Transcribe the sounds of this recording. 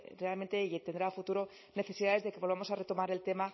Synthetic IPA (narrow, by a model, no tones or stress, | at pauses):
re̞alment̪e̞t̪end̪ɾaːfut̪uɾo̞ | ne̞θe̞siðaðe̞zðe̞ke̞βlβamosare̞t̪o̞maɾe̞lt̪e̞ma